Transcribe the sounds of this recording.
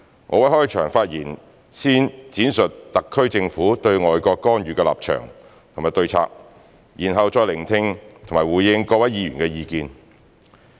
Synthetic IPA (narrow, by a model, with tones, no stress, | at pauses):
ŋʔɔː˧wɐ˨˥jɦɔː˥jt͡ʃʰœː˨˩ŋfaː˧t̚jiː˨˩n | siː˥nt͡siː˨˥nsɵ˨t̚t̪ɐ˨kʰːɵ˥ɥt͡sɪ˧ŋfuː˨˥t̪ɵ˧ɥŋɔː˨jkɔː˧kːɔː˥nɥyː˨˧kɛ˧la̰ː˨p̚t͡ʃʰœ̰ː˨˩ŋ | t̪ʰo˨ŋmaː˨˩jt̪ɵ˧ɥt͡sʰa̰ː˧k̚ | jiː˨˩nɦɐ˨wt͡sɔː˧jlɪ˨˩ŋt̪ʰɪ˧ŋt̪ʰŋmaː˨˩jwuː˨˩jɪ˧ŋkɔː˧wɐ˨˥jjiː˨˧jyː˨˩nkɛ˧jiː˧kiː˧n